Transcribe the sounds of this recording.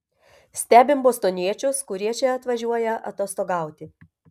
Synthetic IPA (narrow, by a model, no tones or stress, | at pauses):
sʲt̪ʲæːbʲɪmboːst̪oːnʲiɛt͡ʃʲʊskʊɾʲiɛt͡ʃʲɛɐt̪ʋɐʒʲuɔjɛʔɐ̰t̪oːst̪oːɡɑˑʊt̪ʲɪ